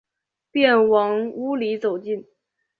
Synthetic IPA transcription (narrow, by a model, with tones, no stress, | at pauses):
pjɛ˥˩nwɑ˧˥ŋu˧˥li˧˥t͡so˨˩ʊt͡ɕi˥˩n